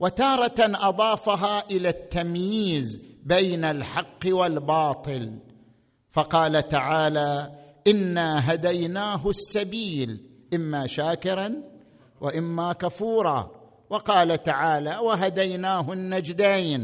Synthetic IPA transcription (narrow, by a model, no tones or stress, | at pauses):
wat̪ɑːɾˤɑaʔɑðˤɑːfaɦaʔɪlat̪ːamjiːzbejnalħɑqːwalbɑːt̪ˤɨl | fɑqɑːlat̪aʕaːlaʔɪnːaɦad̪ajnaːɦʊsːabiːl | ʔɪmːaʃaːkɪɾan | wʔɪʔɪmːakafuːɾˤɑ̰ | wɑqɑːlat̪aʕaːlawaɦad̪ajnaːɦʊnːad͡ʒd̪ajn